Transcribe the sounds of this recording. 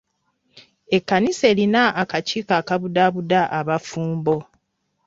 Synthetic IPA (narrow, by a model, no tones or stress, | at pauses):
e̞kːanise̞ːlinaʔakaciːkaːkaβudaβudaʔaβafuːmbo̞